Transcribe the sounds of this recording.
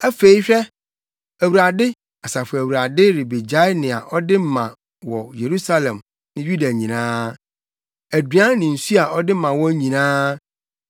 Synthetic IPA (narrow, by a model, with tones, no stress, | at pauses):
æ˦fe˨i˦ɕᶣɛ˦ | æ˨wu˨ɾa˨dɪ˦ | a˨sa˨fæ˨wu˨ɾa˨dɪ˦ɾɪ˨be˨d͡ʑa˦ɪ˦nɪ̃˨a̰˨ʔɔ˦dɪ˦m̩˦mã̰˨ | wɔ˨je˨ɾu˦sa˦lɛ̃˨m | nɪ̃˦ju˦da˨ɲĩ˨nãː˦ | æ˨dɥã˦nɪ̃˨n̩˨su˦a˨ɔ˦dɪ˦mã˨wɔ˦ɲĩ˨nãː˦